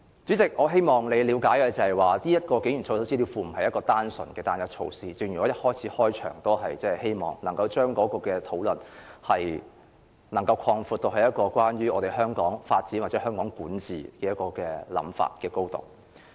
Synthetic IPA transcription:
t͡ʃyː˨˥t͡sɪ˨k̚ʔɔː˨˧ɦe˥jmɔː˨ŋle˨˧jliː˨˧˥wkaː˨˥jkɛ˧t͡sɐ˨˩hɐ˨jwaː˨niː˥jɐ˥t̚kɔː˧ke˨˥jy˨˩nʰo˧so˥si˥i˧wfuː˧m̩˨˩hɐ˨jɐ˥t̚kɔː˧t̪aː˥nsɵ̰˨˩nkɛː˧t̪aː˥njɐ˥t̚t͡ʃʰo̰˧wsiː˥t͡sɪ˨ŋjy˨˩ɔ˨˦˥jɐ˥t̚hɔː˥jt͡sʰiː˨˥hɔː˥jt͡ʃʰœ̰ː˨˩ŋt̪o˥wɦɐ˨jt͡sɛː˥˨he˥jmɔ̰ː˨˩ŋnɐ˨˩ŋkɐ˧wt͡ʃœː˥ŋkɔː˨˥kɔː˧kɛː˧t̪ʰo˨˥wlɵ˨nhɐ˨j | nɐ˨˩ŋkɐ˧wkʰɔː˧ŋfuː˨˧t̪̚o˧k̚hɐ˨jɐ˥t̚kɔː˧kʷwaː˥nɥyː˥ʔɔː˨˧t̪e˨jɦœː˥ŋkɔː˨˥ŋfaː˧t̚t͡siː˨˥nwaː˨tt͡sɛ˨˧˥hœː˥ŋkɔː˨˥ŋkuː˨˥nt͡sḭː˨˩kɛː˧jɐ˥t̚kɔː˧kɛː˧lɐ̰˨˥mfa̰ː˧t̚kɛː˧ko˥wt̪o̰˨˩w

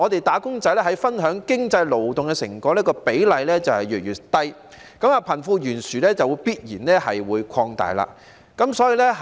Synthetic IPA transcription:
ɔː˨˧t̪e˨jt̪aː˨˥kʊ˥ŋt͡sɐ˨˥jlɛː˥ɦɐ˨˥jfɐ˥nɦœː˨˥ŋkɪ˥ŋt͡sɐ˧jlo˨wt̪ʊ˨ŋkɛ˧sɪ̰˨˩ŋkɔː˧˥lɛː˥kɔː˧pe˨˥jlɐ˨˧jlɛː˥t͡sɐ˨whɐ˨jɥyː˨t̚jyː˨˩t̪ːɐ˥j | kɐ˨˦maː˨˧pʰɐ˨˩nfuː˧jyː˨˩nsyː˨˩lɛː˥t͡sɐ˨wuː˨˧jpiː˥t̚jiː˨˩nlɛː˥hɐ˨jwuː˨˧jkʷʰɔː˧ŋt̪a̰ː˨˩jla̰ː˧ | kɐ˨˥msɔː˨˥jiː˨˧lɛ˥

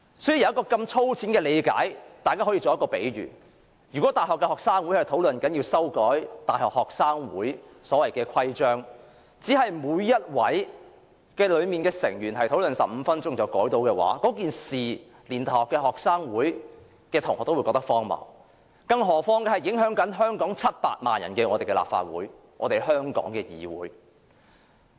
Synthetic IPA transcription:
sɔ˨˥ji˨˧jɐ˧wjɐ˥kɔː˧kɐ˧mt͡sʰo˥wt͡sʰiː˨˥nkɛː˧le˨˧jka̰ː˨˥jt̪aː˨jkaː˥hɔː˨˥jiː˨t͡so˨wjɐ˥kɔː˧pḛ˨˥jɥy̰ː˨˩ | jyː˨˩kɔː˨˥t̪aː˨˩jɦɔː˨kːɛː˧hɔː˨ksaː˥ŋwu˨˥jhɐ˨jt̪ʰo˨˥wlɵ˨nkɐ˨˥njiː˧wsɐ˥wkɔː˨˥jt̪aː˨jhɔː˨k̚hɔː˨k̚saː˥ŋwṵː˨˥jsɔː˨˥wɐ˨˩jkɛː˧kʰɐ˥jt͡ʃœː˥ŋ | t͡siː˨˥ɦɐ˨jmuː˨˧jːɐ˥t̚wɐ̰˨˥j | kɛː˧lɵ˨˧ɥmiː˨nkɛː˧sɪ̰˨˩ŋjyː˨˩nɦɐ˨jt̪ʰo˨˥wlɵ˨nsɐ˨p̚m̩ː˨˧fɐ˥nt͡sʊ˥ŋt͡sɐ˨wkɔː˨˥jt̪o˨˥wkɛː˧wa̰ː˨˥kɔː˨˥kiː˨nsiː˨ | liː˨˩nt̪a˨hɔː˨˩kːɛː˧ɦɔː˨k̚saː˥ŋwuː˨˥j | kɛː˧t̪ʰʊ˨˩ŋhɔ˨t̪wjkɔː˧k̚t̪ɐ˥kfɔː˥ŋmɐ̰˨˩ | kɐ˧ŋɦɔː˨˩fɔː˥ŋkɛː˧hɐ˨˩jɪ˨˥ŋɦœː˨˥ŋkɐ˨˥nɦœː˥ŋkɔː˨˥ŋt͡sʰɐ˥t̚pa̰ː˧t̚ma̰ː˨njɐ˨˩nkɛː˧ŋɔː˨˧t̪e˨jkɛ˧la̰ː˨p̚fa̰ː˧t̚wuː˨˥j | ŋɔ̰ː˨˧t̪e˨jɦœː˥ŋkɔ̰ː˨˥ŋkɛː˧jḭː˨wṵː˨˥j

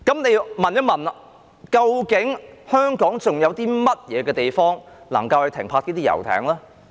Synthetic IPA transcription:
kɐ˨˥mne˨˧jmɐ˨njɐ˨˧wmɐ˨nɐ˧ | kɐ˧wkɪ˨˥ŋhœː˥ŋkɔː˨˥ŋt͡sʊ˨ŋjɐ˨˧wt̪iː˥mɐ˥t̚jɛː˨˧kɛː˧t̪e˨jfɔː˥ŋ | lɐ̰˨˩ŋkɐ˧whɐ˨˧jt̪ʰɪ˨˩ŋpʰaː˧t̚niː˥t̪iː˥jɐ̰˨˩wt̪ʰɛ̰ː˨˩˥ŋlaː˥

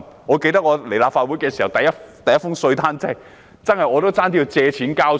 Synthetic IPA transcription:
ŋɔː˨˧ke˧jt̪ɐ˥k̚ŋɔː˧le˨˩jlaː˧p̚faː˧t̚wu˨˥jkɛː˧siː˨˩hɐ˨˩wt̪ɐ˨jɐ˥t̪ɐ˨jɐ˥tfʊ˥ŋsɵ˧ɥt̪ʰaː˥nt͡sɛ˥˩˨ | t͡sɐ˥nhɐ˨jɔː˨˧t̪o˥wt͡saː˥nt̪i˧t͡sɛː˧t͡sʰiː˨˥nkaː˥w

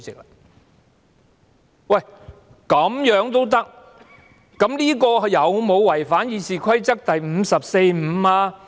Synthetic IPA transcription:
t͡sɪ˨k̚a˧ | wɐ˥˨˩j | kɐ˨˥mjœː˨˥ŋt̪o˥wt̪̬ɐ˥k̚ | kɐ˨˥mliː˥kɔː˧jɐ˨˧wmo˨˧wwɐ˨˩jfaː˨˥njiː˨˧siː˨˩kʰɐ˥jt͡sɐ˥k̚t̪ɐ˨jm̩ː˨˧sɐ˨p̚se˧jm̩˨˧aː˧

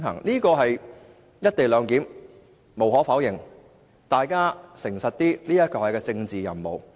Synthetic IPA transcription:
nɦɐ̰˨˩ŋliː˥kɔː˧ɦɐ˨j | jɐ˥t̚t̪e˨jlœː˨˧ŋkiː˨˥m | mo˨wɦɔː˨˥fɐː˨˥wjɪ˨˩ŋ | t̪aː˨jkaː˥sɪ˨˩ŋsɐ˨t̚t̪iː˥liː˥jɐ˥t̚kɔː˧hɐ˨jkɛː˧t͡sɪ˧ŋt͡siː˨jɐ̰˨˩mmo̰˨˩w

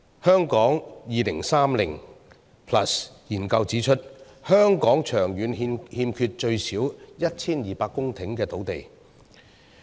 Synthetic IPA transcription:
hœː˥ŋkɔː˨˥ŋjiː˨˧lɪ˨˩ŋsaː˥mlɪ̰˨˩ŋ | pʰlɐ˨˩sjiː˨˩nkɐ˧wt͡siː˨˥t͡ʃʰɵ˥t̚ | hœː˥ŋkɔː˨˥ŋt͡ʃʰœː˨˩ŋjyː˨˥nhi˧mhiː˧mkʰyː˧t̚t͡ʃɵ˧ɥsiː˨˥wjɐ˥t̚t͡sʰiː˥njiː˨˩paː˧kːʊ˥ŋt̪ʰɪ˨˥ŋkɛː˧t̪o˨˥wt̪e˨j

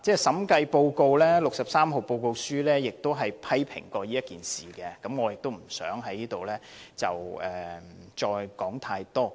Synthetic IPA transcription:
t͡sɛː˥sɐ˨˥mkɐ˧jpo˧wko˧wlɛː˥lʊ˨k̚sɐ˨p̚saː˥mɦo˨˩wpo˧wko˧wsyː˥lɛː˥jɪ˨k̚t̪o˥wɦɐ˨jpʰɐ˥jpʰɪ̰˨˩ŋkɔː˧jiː˥jɐ˥t̚kiː˨nsiː˨˩kɛː˧kɐ˨˦˥mŋɔː˨˧jɪ˨k̚t̪o˥wm̩˨˩sœ̰ː˨˥ŋɦɐ˨˥jiː˥t̪o˨wlɛː˥t͡sɐ˨wɛː˨t͡ʃɔː˧jkɔː˨˥ŋt̪ʰaː˧jt̪ɔː˥

